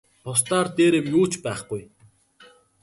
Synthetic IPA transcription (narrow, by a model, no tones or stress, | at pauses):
pʰʊst̪aːrt̪eːɾeːmjuːt͡ɕpæːχɡ̥uj